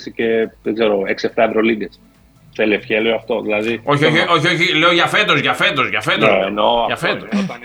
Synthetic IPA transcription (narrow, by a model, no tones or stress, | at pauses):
sice̞ðeɡze̞ɾoeksieft̪ɐevɾo̞liɡes | teliefçelioɐft̪o̞ðilɐðio̞çoço̞çio̞çileoʝɐfe̞t̪o̞zʝɐfe̞t̪o̞zʝɐfe̞t̪oenoaʝɐfet̪ot̪ɐn